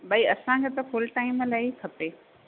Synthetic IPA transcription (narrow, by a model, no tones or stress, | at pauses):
ɓɐiɐsãkʰeːt̪ɐfʊlʈaːɪmlaːikʰɐpeː